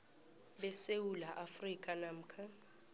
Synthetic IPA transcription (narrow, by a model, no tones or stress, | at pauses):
ɓɛsewulaʔafrikʼanam̩kʰa